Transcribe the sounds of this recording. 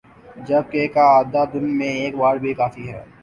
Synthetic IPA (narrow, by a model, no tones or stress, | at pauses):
d͡ʒɐb̚kekaaːd̪ad̪ɪnmẽeːkbaːɾbʱikaːfiɦɛ̰ː